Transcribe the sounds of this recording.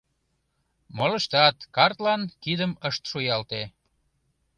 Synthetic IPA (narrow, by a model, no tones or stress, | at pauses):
moləʃt̪ɑt̪kɑrt̪lɑnkid̪əməʃt̪ʃujɑlt̪e